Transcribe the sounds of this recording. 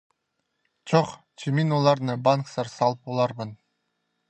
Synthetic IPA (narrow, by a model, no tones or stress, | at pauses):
t͡ʃʰoq | t͡ʃʰiminolˠɑɾnɯbanksɑɾsɑlˠɯp̚bolˠɑɾbɯn